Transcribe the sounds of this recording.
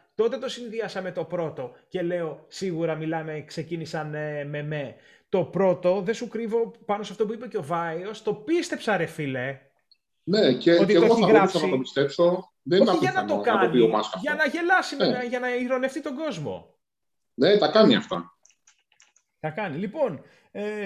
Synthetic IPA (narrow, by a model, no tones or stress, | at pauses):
t̪o̞t̪et̪o̞sinðiɐsɐme̞t̪o̞pɾo̞t̪o̞ce̞le̞o̞siɣuɾɐmilɐme̞kse̞cinisɐnme̞me | t̪o̞pɾo̞t̪o̞ðe̞sukɾivo̞pɐnosɐft̪o̞puipeceo̞vɐio̞st̪o̞pist̪e̞psɐɾefile̞ | neceot̪ieɣooiɐɣɾoɐsɐnɐit̪opist̪e̞pso̞ | ðeninɐeɐnɐt̪okɐonpiomɐsɐfʝɐnɐʝe̞lɐsimenɐʝɐnɐiɾo̞ne̞ft̪it̪o̞ɡo̞zmo̞̰ | net̪ɐkɐniɐ̰ft̪ɐ̰ | t̪ɐkɐnilipo̞n | e